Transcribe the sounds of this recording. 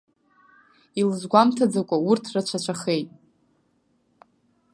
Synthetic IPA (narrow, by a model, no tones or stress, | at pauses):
ilzɡʷamtʰad͡zakʷʼaurtʰrat͡ʃʷʰat͡ʃʷʰaχejtʼ